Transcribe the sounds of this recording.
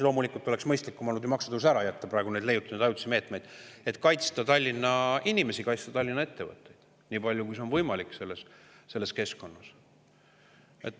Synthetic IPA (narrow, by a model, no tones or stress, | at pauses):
lomulikːˑult̪ːˑo̞le̞ksmɤjst̪likːumɑnːud̪emɑksɑ̥t̪ːɑusæɾɑjæt̪ːɑpɾɑˑeɡ̥une̞d̪le̞jut̪ːˑɑned̪ɑjut̪sime̞ːt̪ˑme̞jd̪̥e̞t̪ˑkɑjt̪st̪ɑt̪ɑlʲːinːɑinime̞sikɑjt̪st̪ɑt̪ɑlʲːinːɑe̞t̪ːe̞vɤ̰t̪ːˑe̞jd̪̥ | niːpɑlʲjukujseonvɤjmɑlikˑse̞lːes | se̞lːe̞ske̞sko̞nːɑs | et̪ːˑ